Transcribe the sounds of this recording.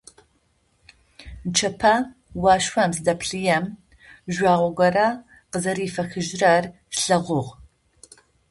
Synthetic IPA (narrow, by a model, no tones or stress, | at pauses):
t͡ʃʰɐpʰɐ | wɑːʃwɐmsdɐpʰɬɨjɛm | ʒʷaːʁʷɔɡʷɐɾɐ | qəzɐɾiːfɐxɨʒrɐr | ɬɐʁʷʊʁ